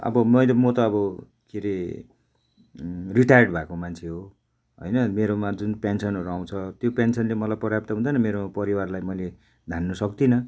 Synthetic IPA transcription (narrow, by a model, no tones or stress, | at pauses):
ʌ̰bʌmʌjlemʌt̪ʌːbʌ | keɾe | riʈajrɖbʱakomant͡sʰeɦo | ɦʌ̰jnʌmeɾomad͡zunpjansʌnɦʌɾuaw̃t͡sʰʌt̪jopjensʌnlemʌlajpʌrjap̚t̪ʌɦũnd̪ʌnʌmeɾomapʌɾiwarlajmʌjle | d̪ʱanːʌsʌk̚d̪inʌ